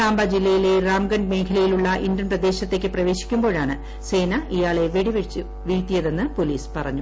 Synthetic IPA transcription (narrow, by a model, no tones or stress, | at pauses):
aːmbɐd͡ʑilːɐjile̞raːmɡɐɳɖme̞ːkʰɐlɐjiluɭːɐʔindrɐnprɐd̪e̞ːɕɐt̪ːe̞ːkʲːɨprɐʋe̞ːɕi̥kʲːumbo̞ːɻaːɳɨ | se̞ːnɐʔijaːɭe̞ʋeɽiʋet͡ɕːɨ | ʋiɻt̪ːijɐðe̞nːɨpo̞liːspɐrɐ̰ɲːu